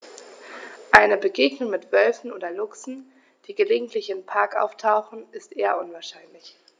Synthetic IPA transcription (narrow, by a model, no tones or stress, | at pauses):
ʔaɪnəbəɡeːɡnʊŋmɪtv̥œlfn̩ʔoːdɐlʊksn̩ | d̥iːɡəleːɡŋ̩tʰlɪçɪnpʰaɐkʔa̰ʊftʰaʊxn̩ɪstʔeːɐʔʊnvaːɐʃaɪnlɪç